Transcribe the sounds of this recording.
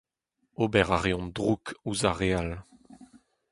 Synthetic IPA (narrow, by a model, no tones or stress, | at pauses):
obɛʁaʁjɔ̃ndʁukuzaʁeal